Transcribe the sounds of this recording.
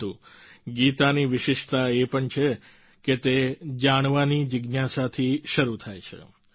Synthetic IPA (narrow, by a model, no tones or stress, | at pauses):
ũɡit̪aniʋɪʃɪʃt̪aepəɳt͡ʃʰe | ket̪ed͡ʒaɽ̃ʋanid͡ʒɪɡnjasat̪ʰiʃəɾut̪ʰajt͡ʃʰḛ